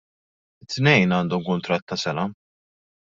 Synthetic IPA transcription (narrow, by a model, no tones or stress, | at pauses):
ɪt̪ːnɛjnɐːnd̪ɔmkʊnt̪ɾɐt̪ːɐsɛnɐ